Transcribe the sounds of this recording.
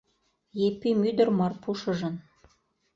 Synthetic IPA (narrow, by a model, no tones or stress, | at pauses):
jepimyd̪ə̆rmɤrpuʃɤ̆ʒɤ̆n